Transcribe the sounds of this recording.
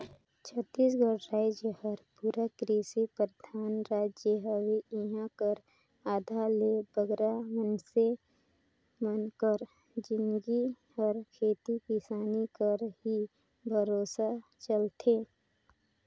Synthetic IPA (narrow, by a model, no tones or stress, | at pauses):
t͡ʃʰət̪ːiːs̬ɡəɾɾaːd͡ʒjəhəɾpuɾakɾisipɾəd̪ʱaːnɾaːd͡ʒjəɦəwiiɦãkəɾ | aːd̪ʱalebəɡɾamənse | mənkəɾ | d͡ʒɪnɡi | ɔːɾkʰeːt̪ikisaːnikəɾɦi | bʱəɾoːsat͡ʃəlt̪ʰeː